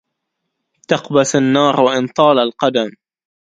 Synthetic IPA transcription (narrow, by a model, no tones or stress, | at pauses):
t̪ɑqbasanːɑːɾwaʔɪnt̪ˤɑːlalqɑd̪am